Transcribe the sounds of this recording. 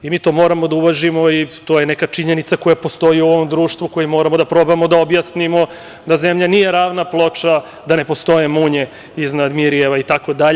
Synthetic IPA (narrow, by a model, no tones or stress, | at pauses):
imiːt̪o̞mo̞ɾamo̞d̪auʋaʒimo̞it̪ojenekat͡ʂiɲe̞nit̪sako̞japo̞st̪o̞jiuoʋomd̪ɾuːʂt̪ʋuko̞jimo̞ːɾamo̞d̪apɾo̞bamo̞d̪aobjasnimo̞ | d̪azemʎanijeɾaːʋnaplˠo̞t͡ʂa | d̪ane̞po̞st̪o̞jemuɲe | iznad̪miɾijeʋait̪ako̞d̪aʎe